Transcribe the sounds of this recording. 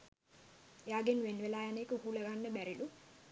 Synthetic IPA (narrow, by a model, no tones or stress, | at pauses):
jaːɡenʋenʋelaːjaneːkəhuleɡanːəbæɾilu